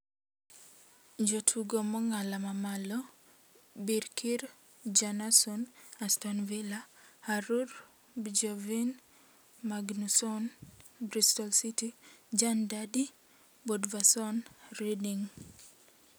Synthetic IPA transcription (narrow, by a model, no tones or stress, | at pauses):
d͡ʒotʰuɡomɔŋalamamalɔ | biɾkʰiɾ | d͡ʒanasɔnastɔnvilahaɾuɾ | bd͡ʒɔvin | maɡnusɔnbɾistɔlsitid͡ʒandadi | bɔdvasɔnɾidiŋ